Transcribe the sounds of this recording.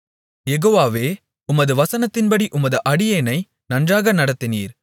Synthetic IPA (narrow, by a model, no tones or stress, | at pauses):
jɛɣoːʋaːʋeː | ʊmɐðɯʋɐsɐnɐt̪ːɪnpɐɽiʔʊmɐðɯʔɐɽɪjɐːnɐɪ | nɐndraːɣɐnɐɽɐt̪ːɪnḭːɾ